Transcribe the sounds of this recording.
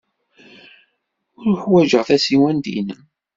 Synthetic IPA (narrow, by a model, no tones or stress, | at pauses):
ʊɾʊħwæʒəʁθæsiwænd̪ḭn